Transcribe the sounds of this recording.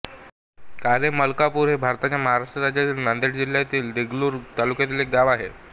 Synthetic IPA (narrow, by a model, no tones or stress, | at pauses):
kaɾeməlkapuːɾɦebʱaɾt̪at͡ɕjaməɦaɾaʂʈɾəɾad͡ʑjat̪iːlnand̪eʈd͡ʑil̤jat̪iːld̪eɡluːɾt̪alukjat̪iːlek̚ɡaʋaɦe